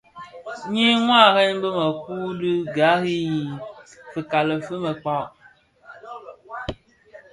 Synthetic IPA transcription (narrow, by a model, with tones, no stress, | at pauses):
ɲĩ˦ŋʷ˦ã˦˨ɣe˦ɲbə˦mə˨ku˦dɨ˦ɡa˨˦ɣi˦˨fe˨ka˨lə˨fə˦me˨k͡pa˦